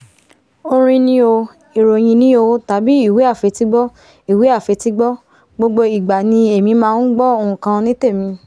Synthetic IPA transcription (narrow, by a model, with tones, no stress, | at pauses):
o˧ɾ̃ĩ˧nĩ˦o˧ | i˨ɾo˨j̃ĩ˧nĩ˦o˧ta˨˦bi˦i˦˨we˨˦a˦˨fe˨˧˦ti˦ɡ͡bɔ˦ | i˦˨we˨˦a˦˨fe˨˧ti˦ɡ͡bɔ˦ | ɡ͡bo˧ɡ͡bo˧i˨ɡ͡ba˨nĩ˧e˨mĩ˧mãː˦˧n̩˦ɡ͡bɔ˦o˧ũ˨kã˧nĩ˦te˦˨mĩ˧